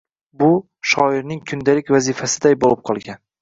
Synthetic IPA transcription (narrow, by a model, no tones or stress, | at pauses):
bʊ | ʃɒɪɾnɪŋkʰʊnd̪alɪkʲvazifasɪd̪ajbolɪp̚qʰɒlˠɡʲan